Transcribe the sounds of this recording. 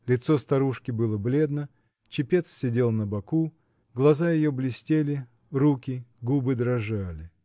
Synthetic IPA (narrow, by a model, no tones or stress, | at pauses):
lʲɪt̪so̞st̪ɐɾuʂkʲɪbɨlˠəblʲe̞d̪nə | t͡ɕɪpʲe̞t̪sːʲɪdʲe̞lˠnəbɐku | ɡlˠɐzajɪjoblʲɪsʲtʲelʲɪ | rukʲɪɡubɨd̪ɾɐʐalʲɪ